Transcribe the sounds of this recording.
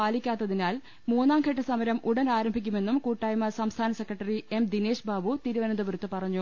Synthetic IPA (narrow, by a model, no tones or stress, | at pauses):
aːlikʲːaːt̪ːɐðinaːl | muːnːaːmɡʰʱɐʈːɐsɐmɐɾɐmʔuɽɐnaːɾɐmbʱikʲːume̞nːumkuːʈːaːjɐmɐsɐmst̪ʰaːnɐsekrɐʈːɐrie̞md̪ine̞ːʂbʱaːʋut̪iɾuʋɐnɐnd̪ɐbuɾut̪ːɨpɐrɐɲːu